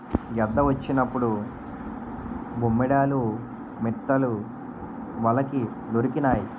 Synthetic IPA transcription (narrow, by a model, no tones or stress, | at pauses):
ɡɐd̪ːɐʋɐt͡ʃːinɐpːuɽu | bʱumːiɽaːlu | mit̪ːɐlu | ʋɐlɐki | d̪oɾikinaːji